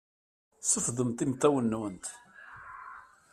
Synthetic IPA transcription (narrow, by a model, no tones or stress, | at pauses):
səfðˤəmt̪imt̪ːæwənːwənt̪